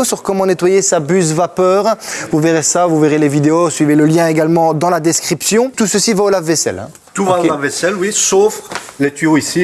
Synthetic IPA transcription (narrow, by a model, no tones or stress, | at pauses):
sɔʁkɔmɑ̃net̪wajesabyzvapœːʁvuveʁesavuveʁelevid̪eosɥiveləljɛ̃eɡalmɑ̃d̪ɑ̃lad̪ɛskχipsjɔ̃t̪usəsivaolavvesɛ̰lɛ̰̃ | t̪uvaolavesɛlwisoflet̪yoisi